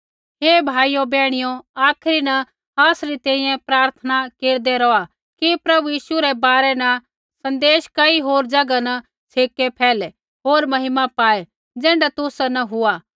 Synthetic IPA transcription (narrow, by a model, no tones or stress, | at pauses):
ɦeːbʱaːijobɛːɽ̃ɪjoaːkʰɾinɐ | aːsɾit̪ɛ̃ːĩjɛ̃pɾaːɾt̪ʰənakeːɾd̪ɛɾɔa | kipɾɐbujiːʃuɾɛbaːɾɛnɐ | sɐ̃nd̪eːʃkɐiɦoːɾd͡ʒɐɡanɐ | t͡sʰeːkːepʰɛːlɛ | ɦoːɾmɐɦɪmapaːe | d͡zɛ̃ːɳɖat̪ʊsnɐɦʊaː